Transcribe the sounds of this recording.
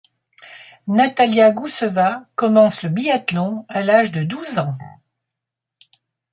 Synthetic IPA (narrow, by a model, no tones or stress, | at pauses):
nat̪aljaɡusəvakɔmɑ̃sləbiat̪lɔ̃alaʒd̪əd̪uzɑ̃